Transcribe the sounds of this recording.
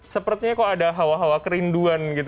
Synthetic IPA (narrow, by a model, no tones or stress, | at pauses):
səpərt̪iɲakawadaɦawaɦawakəɾinduanɡit̪